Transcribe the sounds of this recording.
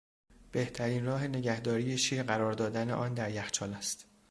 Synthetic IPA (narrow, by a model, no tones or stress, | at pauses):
b̥e̞ht̪ʰæɾiːnrɒːɦe̞ne̞ɟæhd̪ɒːɾijeʃiːɾɢæɾɒːɾd̪ɒːd̪æne̞̰ʔɒːnd̪æɾjæxt͡ʃʰɒːlæst̪